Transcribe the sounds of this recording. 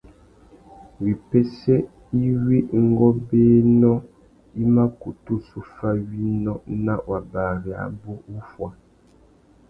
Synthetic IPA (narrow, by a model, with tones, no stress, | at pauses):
wi˨pe˦se˦ | i˦wi˦ŋ̩˦ɡɔ˦beː˦nɔ˦ | i˦ma˦ku˨tu˦su˦fa˦wi˦nɔ˦na˦wa˨baː˨ɾi˨a̰˨bo˦u˦fwa˨